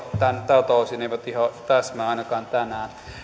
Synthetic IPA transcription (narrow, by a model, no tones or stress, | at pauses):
t̪ænt̪ɑt̪oˑsineˑiʋæt̪ihɑt̪æsmæɑˑinɑkɑːnt̪ænæːn